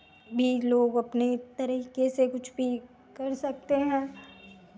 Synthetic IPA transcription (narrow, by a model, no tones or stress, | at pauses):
bʱiloːɡɐpnet̪ɐɾiːkesekʊt͡ʃʰbʱi | kɐɾsɐk̚t̪eɦɛ̃ː